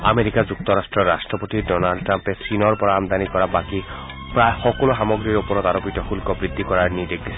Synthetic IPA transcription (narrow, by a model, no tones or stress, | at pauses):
a̰meɾikad͡ʑuk̚t̪ɔɾasʈɹɔːasʈɹɔpot̪idɔnalɖʈɾampesinɔɹpɔɾaamd̪anikɔɾabaki | pɹaexɔkoloɦamɔɡɾiɾupɔɾɔt̪aɾopitɔxulkɔbɹid̪ʱːikɔɾaɹnid̪ekde